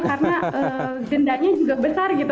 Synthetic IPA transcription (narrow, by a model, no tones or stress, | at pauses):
kaɾənaʔə | ɡəndaɲad͡ʒuɡabəsarɡit̪